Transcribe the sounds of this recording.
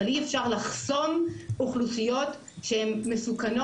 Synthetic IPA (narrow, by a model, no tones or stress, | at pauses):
liefʃaʁlaχso̞muχlusijo̞t | ʃeemːesukano